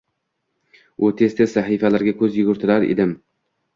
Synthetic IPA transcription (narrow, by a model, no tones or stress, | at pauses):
ʊt̪ʰest̪ɪsaɦifalaɾɡʲakʰɵzjʊɡʊɾt̪ʰɪlaɾḛd̪ɪm